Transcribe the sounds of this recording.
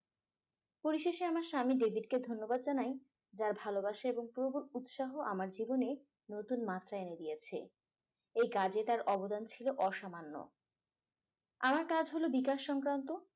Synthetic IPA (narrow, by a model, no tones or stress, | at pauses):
poɾiʃeʃeamaɾʃamiɖebʱiɖked̪ʱonːobad̪̚d͡ʑanaj | d͡ʑaɾbʱalobaʃaeboŋpuɾobuɾut̪ʃaɦoʔamaɾd͡ʑibone | not̪unmat̪ːɾaened̪ijet͡ɕʰḛ | ejkad͡ʑet̪aɾɔbod̪ant͡ɕʰiloʔɔʃamanːo̰ | amaɾkad͡ʑʱɦolobikaʃːɔŋkɾant̪o